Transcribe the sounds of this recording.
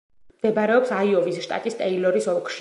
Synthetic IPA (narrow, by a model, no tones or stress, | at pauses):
md̪̥ɛbaɾɛɔpsaiɔvisʃt̪ʼa̰t̪ʼist̪ʼɛilɔɾisɔkʰʼʃi